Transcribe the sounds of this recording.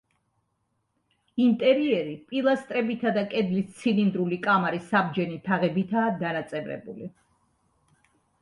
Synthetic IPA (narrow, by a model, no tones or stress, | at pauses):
int̪ʼɛɾiɛɾipʼilˠast̪ʼɾɛbit̪ʰad̪akʼɛd̪list̪sʰilind̪ɾulikʼamaɾisabd͡ʒɛnit̪ʰaʁɛbit̪ʰaːd̪anat̪sʼɛvɾɛ̰bṵli